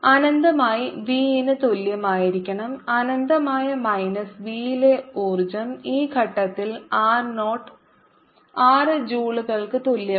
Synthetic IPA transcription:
ɐnɐnd̪ɐmaːjiʋiːinɨt̪oljɐmaːjiɾikʲːɐɳɐmɐnɐnd̪ɐmaːjɐmɐjnɐsʋiːleoːrd͡ʑɐmiːɡʰʱɐʈːɐt̪ːilaːrnoːʈː | aːrɨd͡ʑuːɭuɣɐɭkɨt̪oljɐ

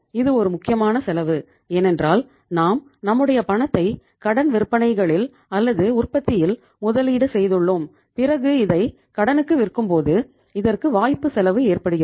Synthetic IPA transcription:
ɪðɯɔɾɯmʊkːɪjɐmaːnɐsɛlɐʋɯ | eːnɛndraːl | naːm | nɐmːɯɽɐjɐpɐɳɐt̪ːɐɪ | kɐɽɐnʋɪɾɯpːɐɳɐɪɣɐɭɪl | ɐlːɐðɯʊrpɐt̪ːɪjɪl | mʊðɐliːɽɯsɛjðɯɭːom | pɪrɐɣɯɪðɐɪ | kɐɽɐnɯkːɯʋɪrkːɯmpoːðɯ | ɪðɐrkɯʋaːjpːɯsɛlɐʋɯeːrpɐɽɯɣɪ

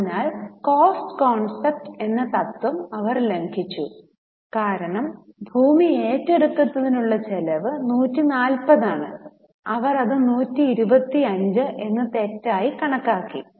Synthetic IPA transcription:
nːaːlkoːsʈɨkoːɳsep̚ʈe̞nːɐt̪ɐt̪ːwumɐʋɐrleŋkʰit͡ɕːu | kaːɾɐɳɐmbʱuːmie̞ːtːeɽuk̪ːɐt̪ːɐðinuɭːɐt͡ɕelɐʋɨnuːtːinaːlpɐðaːɳɨ | ɐʋɐrɐðɨnuːtːiːɾubɐt̪ːiɐɲd͡ʑɨʔe̞nːɨt̪etːaːjikɐɳɐkːaːkːḭ

